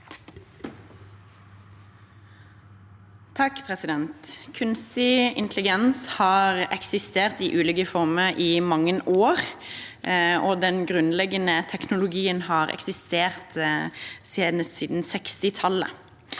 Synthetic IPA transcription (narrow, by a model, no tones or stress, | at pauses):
t̪ʰɑkːpʰʁɛsɪd̪ɛnt̪kʰʉnst̪ɪɪ̰nt̪ʰlɪɡɛnshɑːʁɛksɪst̪eːʁt̪iːʔʉːliːkəfɔʁməʁʔiːmɑŋːənoːʁ | ʔɔd̪ɛnɡʁʉnlɛɡənət̪ʰɛknʊlʊɡiːənhɑːʁɛ̰ksɪst̪eːʁt̪ | seːd̪əssiːd̪n̩sɛkst̪ɪt̪ʰɑlə̰